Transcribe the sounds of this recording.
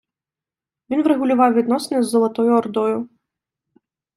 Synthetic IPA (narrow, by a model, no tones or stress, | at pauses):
vʲinvɾɛɣulʲʊvɑwvʲid̪nɔsnɛzːɐlˠat̪ɔjʊɔrd̪ɔjʊ